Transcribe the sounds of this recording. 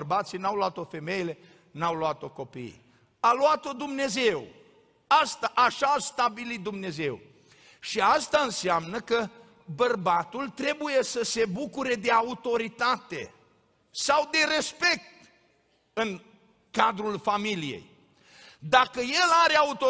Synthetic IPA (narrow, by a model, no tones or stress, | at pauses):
rbat̪sijnawloat̪o̞fe̞me̞jele̞ | nawloat̪o̞ko̞pḭj | aluat̪o̞d̪umne̞ze̞w | ast̪aʔaʃaːst̪abilit̪̚d̪umne̞ze̞w | ʃiast̪aɨnseamnəkə | bərbat̪ult̪ɾe̞buje̞səse̞bukuɾe̞d̪e̞aut̪o̞ɾit̪at̪e̞̰ | sawd̪e̞ɾe̞spe̞k̚t̪ | ɨn | kad̪ɾulfamilijḛj | d̪akəje̞laɾeaut̪o